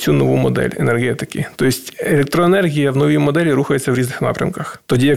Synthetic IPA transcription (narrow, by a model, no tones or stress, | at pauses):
t͡sʲunɔʋumɔd̪ɛ̰lʲḛnerɦɛt̪ɪkɪt̪ɔisʲtʲelʲek̚t̪ɾɔenɛrɦʲijɐwnɔʋʲimɔd̪ɛlʲiɾuxɐjet͡sʲːɐwɾʲiznɪxnɑ̰pɾʲɐ̰mkɐxt̪ɔdʲijɐ